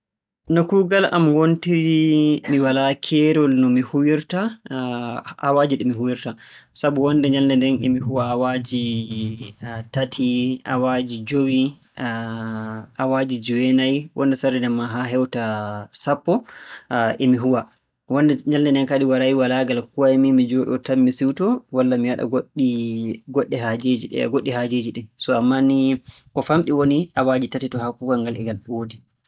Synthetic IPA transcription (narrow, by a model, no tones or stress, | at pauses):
nɔkuɡala̰mwontiɾimiwalakʰɛɾɔlnɔmihuwiɾta | awad͡ʒiɗɛmiɦuwiɾta | sabuwɔndɛɲaldɛndɛnɛmihuwaːwad͡ʒi | tatʰiʔa̰wad͡ʒid͡ʒowi | ʔawad͡ʒid͡ʒuwɛnajwʔɔ̰ndɛsaɾɛnɛmːaɦaɦɛwtasapːɔ | ʔɛmiɦuwa | wɔndɛɲaldɛnɛnkaɗiwaɾaiwalaɡalkuwaɛmimid͡ʒɔɗɔtamːisiwtɔwalːamiwaɗa̰ɡoɗiɡɔɗːɛhad͡ʒed͡ʒḭɡoɗːihad͡ʒed͡ʒiɗɛsɔamːanikɔfamɗiwoniʔawad͡ʒitatitɔhakukaŋɡalɛɡalwodi